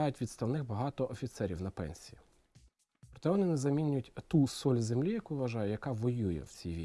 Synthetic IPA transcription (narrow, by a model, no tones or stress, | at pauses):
ɑjʊtʲʋʲid̪st̪ɐwnɪxbɐɦɑt̪ɔʔɔfʲit̪sɛɾʲiwnɐpɛ̰nʲsʲiji | pɾɔt̪ɛʋɔnɪnɛzɐmʲinʲʊjʊtʲt̪usɔlʲzemlʲijɐkuʋʋɐʒɑjɛjɐkɑʋɔjujɛ̰wt͡sʲijʋʲi